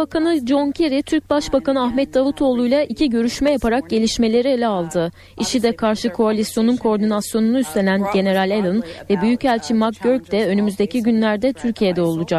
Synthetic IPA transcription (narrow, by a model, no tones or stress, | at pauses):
bakʰanɯd͡ʒo̞ncʰeɾit̪ʰyɾc̚baʃbakanɯaɦmɛt̪̚d̪avut̪ʰo̞ːlˠujlˠaʔicʰiɟø̞ɾyʃmɛjapʰaɾak̚ɟe̞lʲiʃme̞lʲe̞ɾielʲɛalˠd̪ɯ | iʃid̪ɛkʰaɾʃɯkʰoalʲisjo̞nunkʰo̞ɾd̪inasjo̞nunuyst̪ʰe̞nænɟe̞ne̞ɾalʲelˠɯnvɛbyjycælʲt͡ʃʰimak̚bøɾc̚d̪ɛø̞nymyzd̪e̞cʰiɟynlʲæɾd̪ɛt̪ʰyɾcʰije̞d̪ɛo̞lˠud͡ʒak